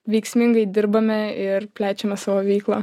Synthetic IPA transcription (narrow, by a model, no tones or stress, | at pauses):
ʋʲɛɪksʲmʲɪŋɡɐɪd̪ʲɪɾbɐmʲɛɪrpʲlʲæːt͡ʃʲɛmʲɛsɑːʋoːʋʲɛɪklˠɐ